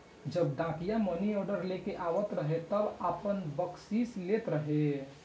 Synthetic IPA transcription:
d͡ʒəbɖãːkijaməniɔɖəɾlekeʔaːwət̪ɾəɦet̪əbaːpənbəksislet̪ɾəɦe

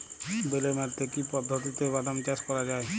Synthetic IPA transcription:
belemaɾt̪ekipɔd̪ʱːot̪it̪ebad̪amt͡ʃaskɔɾad͡ʑae

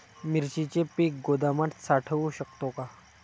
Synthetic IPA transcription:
miɾt͡ɕit͡ɕepiːk̚ɡod̪amat̪saʈʰəʋuɕək̚t̪oka

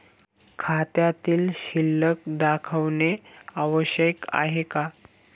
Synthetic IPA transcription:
kʰat̪jat̪iːlɕilːək̚ɖ̪akʰəʋneaʋəɕəka̰ɦeka

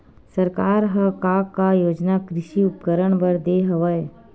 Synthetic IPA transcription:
sɐɾkaːɾɦəkaːkːajoːd͡ʒnakɾɪʃiʊpkəɾəɳ̃bəɾd̪eːɦɐʋəe

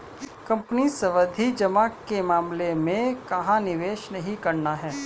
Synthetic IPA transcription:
kɐ̃mpənisɐʋəd̪ʱid͡ʒɐmaːkːemaːmlemẽkɐɦãnɪʋeːʃnɐɦĩkɐɾnaɦɛː

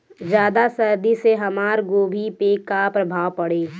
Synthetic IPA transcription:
d͡ʒjaːd̪asɐɾd̪iseɦɐmaːɾɡoːbʱipekapɾɐbʱaːʋpɐɽeː

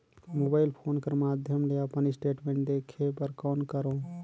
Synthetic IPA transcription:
mobaːɪlpʰoːnkəɾmaːd̪ʱjəmleəpənisʈeːʈmẽːɳʈ̚d̪ekʰebəɾkaːnkəɾõ

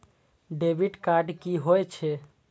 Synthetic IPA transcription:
ɖebiɖkaɾɖkiɦoet͡ʃʰe

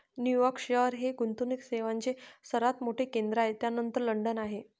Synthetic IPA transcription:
njujɔkʂeəɾɦeɡunt̪unikseʋaɲt͡ɕesəɾat̪moʈʰekend̪ɾaɦet̪janənt̪əɾləɳɖənaɦe

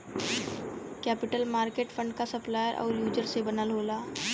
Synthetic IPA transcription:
kɛːpɪʈəlmaːɾkeːʈfʰə̃ɳɖkasɐplaːjəɾʔɔ̰ːɾjuːd͡ʒəɾsebɐnəlɦoːlaː

